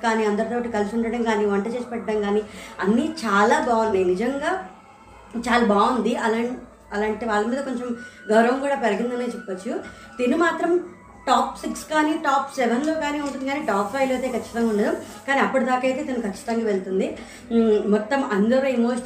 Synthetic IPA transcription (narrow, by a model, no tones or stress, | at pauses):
kaːniːɐnd̪ɐɾut̪oːʈikɐlisuɳɖɐɽɐmɡaːniːʋɐɳʈɐt͡ʃeːsi̥pɛʈːɐɽɐmɡaːniːɐnːit͡ʃaːlaːbaːund̪enid͡ʒɐŋɡaː | t͡ʃaːlaːbaːund̪iɐlaːɳ | ɐlaːɳʈeʋaːɭːɐmiːd̪ɐko̞ɲt͡ʃemɡɐwɾɐʋɐmkuːɽaːpɛɾɐɡind̪ɐneːt͡ʃɛpːɐt͡ʃːu | d̪iːnumaːt̪ɾɐm | ʈaːpsikskaːniːʈaːpsɛʋɐnloːkaːniːɐɳʈ̬und̪ikaːniːʈaːpʰːɐjʋlɐjt̪e̞ːkʰɐt͡ʃːi̥t̪ɐŋɡauɳɖɐd̪ɐm | kaːniɐpːɐʈid̪aːkɐjt̪e̞ːt̪ɐnukʰɐt͡ʃːi̥t̪ɐŋɡaːʋeɭut̪und̪i | mɔt̪ːɐmɐnd̪ɐɾoːimoːʃɐ